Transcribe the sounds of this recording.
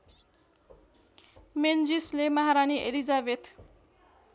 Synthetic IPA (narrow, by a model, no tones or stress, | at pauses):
mend͡zislemaɦaɾaniʔelid͡zabet̪